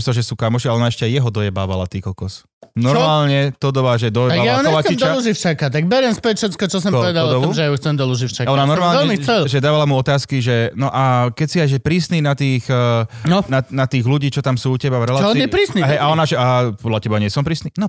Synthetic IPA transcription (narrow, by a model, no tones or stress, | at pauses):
sɔlʒɛsuːkamɔʃialɛɔnaɛʃcɛajɛɦɔd̪ɔjɛba̰ːʋa̰la̰t̪iːkɔkɔs | nɔɾmaːlɲɛt̪ɔd̪ɔʋaʒɛd̪ɔjɛaɡjauɲɔʋat͡ʃɛimt͡ʃd̪ɔaluʒift͡ʃakat̪aɡbɛɾɛnspɛtfʃɛt̪kɔt͡ʃɔs̬ɔmɔʋɛd̪alɔɔd̪ɔʋɔumʒɛjauxt͡sɛmd̪ɔluʒift͡ʃaɔnanɔɾmaːlɲɛlɲɛmit͡sɛlʒɛd̪aːʋalamuɔt̪aːskiʒɛnɔʔakɛcsiajʒɛpɾiːsniːnat̪iːxnnɔnanat̪iːɣluɟiːt͡ʃɔt̪amsuːucɛbaɾɛlatɔiːnjɛpɾiːsniɦɛjʔaɔnaʒɛʔapɔd̪lacɛbaɲɪɛsɔmpɾiːsniːnɔ